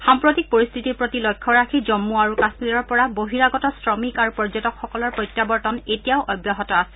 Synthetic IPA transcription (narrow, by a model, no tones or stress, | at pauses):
xampɹotik̚poɹist̪ʰitiɹpɹotilojkʰːɔɹakʰizɔmːuaɹukasmiɹɔɹpɔɹaboɦiɹaɡɔtɔsɹɔmikaɹupɔɹzɔtɔkxɔkɔlɔɹpɹɔjtjabɔɹtɔnetijaʊʔɔjbjaɦɔtɔasɛ̥